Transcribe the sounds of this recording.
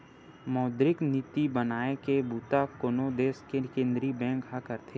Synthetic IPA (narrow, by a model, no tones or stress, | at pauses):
mɔːd̪ɾɪknit̪ibənaːekebuːt̪akonod̪eːskekẽːnd̪ɾibɛ̃ːŋkɦakəɾt̪ʰeː